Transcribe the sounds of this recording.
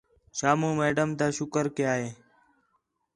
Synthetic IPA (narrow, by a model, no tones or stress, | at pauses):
ʃaːmũːmeːɖəmd̪aːʃʊkəɾkɪjaːɦeː